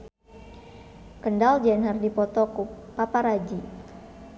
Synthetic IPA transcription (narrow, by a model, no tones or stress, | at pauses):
kəndald͡ʒɛnɦərdipɔt̪ɔkupapaɾad͡ʒi